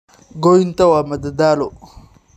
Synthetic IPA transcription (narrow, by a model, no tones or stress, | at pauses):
ɡoint̪awamad̪ad̪alo